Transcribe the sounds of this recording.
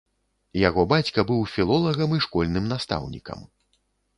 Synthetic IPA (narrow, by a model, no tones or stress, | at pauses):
jaɣɔbat͡sʲkɐbɨwfʲilˠɔlˠɐɣɐmiʂkɔlʲnɨmnast̪a̰wnʲḭkɐ̰m